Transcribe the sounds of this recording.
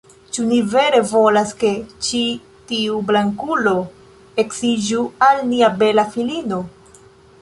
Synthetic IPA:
t͡ʃunive̞ɾe̞vo̞laske̞t͡ʃi | tiublaŋkulo̞ | e̞ksid͡ʒualniabe̞lafilino̞

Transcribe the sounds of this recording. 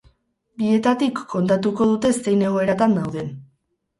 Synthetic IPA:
bie̞t̪at̪ikʰːo̞nt̪at̪uko̞ð̞ut̪e̞se̞jne̞ɣ̞o̞e̞ɾat̪and̪awðe̞n

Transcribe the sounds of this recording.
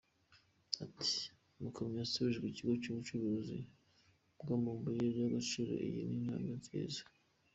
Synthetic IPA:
atʰi̥ | mukʰaɲjasuβiʒeɡiciɡot͡ʃuut͡ʃuβuuzḭ | bɡamuːmbujeɾɟaɡat͡ʃuɾḛʔḭjḭnina̰ːŋanzḭːza

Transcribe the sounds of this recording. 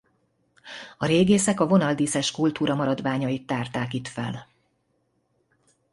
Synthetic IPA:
ɒɾeːɡeːsɛkɒvo̞nɒld̪iːsɛʃkult̪uːɾɒmɒɾɒd̪ʋaːɲɒjit̪ːaːrt̪aːkit̪fɛ̰l

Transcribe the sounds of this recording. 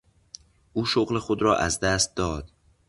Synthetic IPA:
ʔuːʃoɣle̞xod̪ɾɒːʔæzd̪æst̪̚d̪ɒːd̪̥

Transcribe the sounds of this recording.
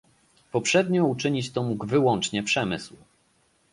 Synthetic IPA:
pɔpʂɛd̪ɲɔut͡ʂɘɲit͡ɕt̪ɔmuɡvɘwɔnt͡ʂɲɛpʂɛmɘ̰sw

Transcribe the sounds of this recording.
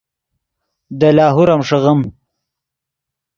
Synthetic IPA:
d̪əlɑːɦuɾamʂəɣəm

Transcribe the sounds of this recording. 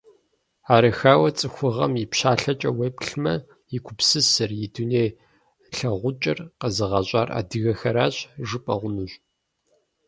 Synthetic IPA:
aːɾɐxaːwɐt͡sʼɨxʷʊʁɐmjipɕaːɬɐt͡ʃʼɐwepɬmɐ | jɪkʷʰʊpsɨsɨrjɪduneːj | ɬɐʁʷʊt͡ʃʼɐrqɐzɨʁɐɕʷʼaːrʔa̰ːdɨɣɐxɐɾaːɕʼʒɨpʼɐʁʷʊnuɕʷʼ

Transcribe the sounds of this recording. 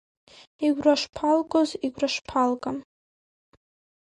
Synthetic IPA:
iɡʷraʂpʰalkʼoziɡʷraʂpʰalkʼam

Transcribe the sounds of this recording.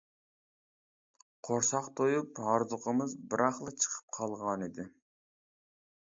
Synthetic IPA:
qʰoɾsɑqt̪ʰojuphɑɾzʊqʰəmɨzbɪɾʔɑχlˠɨt͡ʃʰə̥qʰə̥p̚qʰɑlˠʁɑnid̪ɪ

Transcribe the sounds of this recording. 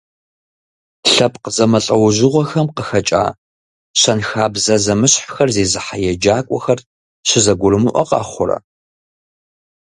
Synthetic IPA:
ɬɐp̚ʰqəzɐmɐɬʼɐwʊʑɪʁʷɔxɐmqəxɐt͡ʃʼa̰ː | ɕɐnxaːbzɐzɐmɨɕħxɐrzeːzɨħajɛd͡ʒaːkʷʼɔxɐr | ɕɪzɐɡʷʊɾɨmɨʔʷɔ̰qʼɑ̰ːχʷʊɾɐ̰

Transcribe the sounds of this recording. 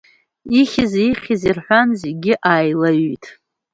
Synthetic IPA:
iχʲɪziχʲizirħʷᶣanzeɡʲɪʔaːjlaɥtʰʼ

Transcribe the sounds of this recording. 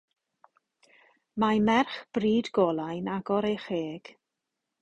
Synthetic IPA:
mamɛrχb̥riːdɡɔlˠajnaɡɔɾejχeːɡ̥

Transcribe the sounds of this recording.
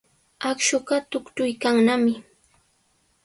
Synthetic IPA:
akʃʊɢɑt̪ʊkt͡ʃʊjkaŋnamɪ

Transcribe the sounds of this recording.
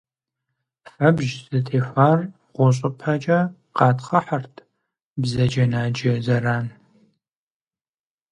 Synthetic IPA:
fɐbʒzɨtʰeːfaːr | ʁʷɔɕ̬ʼɐpʰɐt͡ʃʼɐ | qɑːtχɐħɐrtʰ | bzɐd͡ʒɐnaːd͡ʒɐzɐraːn

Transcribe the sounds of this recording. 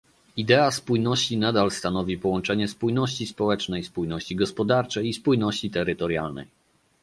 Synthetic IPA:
id̪ɛaspujnɔɕt͡ɕinad̪alst̪anɔvʲipɔwɔnt͡ʂɛɲɛspujnɔɕt͡ɕispɔwɛt͡ʂnɛjspujnɔɕt͡ɕiɡɔspɔd̪aɾt͡ʂɛjispujnɔɕt͡ɕit̪ɛɾɘt̪ɔɾja̰lnɛ̰j

